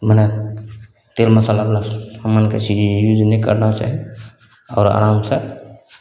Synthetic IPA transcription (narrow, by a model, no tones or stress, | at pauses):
mənɛ | t̪elməsalablasamanket͡ʃʰid͡ʒjuːd͡ʒnikə̰ɾnat͡ʃa̰ːɦi | ɔ̰ːɾa̰ɾaːmse